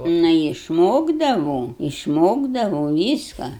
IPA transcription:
ˈnʊ ɪʃˈmoːɡdɐʋoːm ɪʃˈmoːɡdɐʋɐʊ ˈʋʲiːskɐ

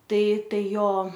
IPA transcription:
ˈtɐɪ ˈtɐɪ ˈjoː

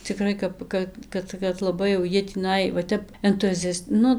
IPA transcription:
t͡sʲɪˈkrɐɪ kɐp ˈkɐ ˈkɐt kɐt lˠɐˈbɐɪ jɛʊ ˈjiɛ tʲiːˈnɐɪ ʋɐ ˈtʲɛp ɛntʊˈzʲɛst ˈnʊ

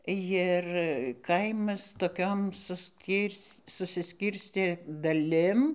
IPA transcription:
jɪr ˈkɐɪmɐs toːˈkʲoːm sʊsʲˈkʲiːrʲsʲ sʊsʲɪˈsʲkʲiːrʲsʲtʲeː dɐˈlʲɪm

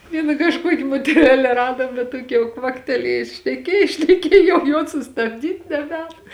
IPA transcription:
ˈʋʲiɛnɐ kɐʃˈkuɔkʲɪ moːtʲɛˈrʲæːlʲɛ ˈrɑːdoːm bʲɛt ˈtuɔkʲɪ jɛʊ ˈkʋɑːktʲɛlʲiɛjʊs ʃʲnʲɛˈkʲiɛj ʃʲnʲɛˈkʲiɛj jɛʊ joːs sʊstɐbʲˈdʲiːtʲ nʲɛˈbʲɛːn

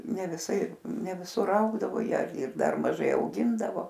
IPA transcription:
nʲɛ ʋʲɪˈsɐɪ nʲɛ ʋʲɪˈsʊr ˈɐʊɡdɐʋoː ˈjiɛ ɐr ɪr ˈdɐr mɐˈʒɐɪ ɐʊˈɡʲɪndɐʋoː

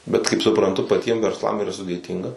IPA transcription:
bʲɛt kɐɪp sʊprɐnˈtʊ pɐˈtʲiɛm ʋʲɛrsˈlˠɐm iːˈrɐ sʊdʲeːˈtʲiːŋɡɐ

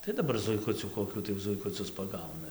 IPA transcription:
tɐɪ dɐˈbɐr zʊɪˈkʊt͡sʲuː koːˈkʲuː tɐɪ zʊɪkʊˈt͡sʲʊs pɐˈɡɐʊnɐ

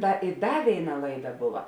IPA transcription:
ˈtɐ ɪ ˈdɐ ˈʋʲeːɪˌnɐ ˈlˠɐɪˌdɐ ˈbʊʋɐ

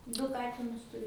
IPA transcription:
ˈdʊ ˈkɑːtʲɪnʊs tʊˈrʲʊ

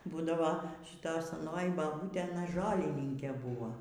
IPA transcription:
ˈbuːdɐʋoː ʃʲɪˈtoːj sɐˈnoːjɪ bɐˈbuːtʲeː ɐˈnɐ ˈʒoːlʲɪnʲɪŋʲkʲeː ˈbʊʋoː

